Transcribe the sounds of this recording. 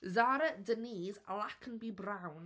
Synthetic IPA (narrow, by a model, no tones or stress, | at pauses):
zaːɾədəniːzə̰lakʰə̃nbibɹãʊ̃n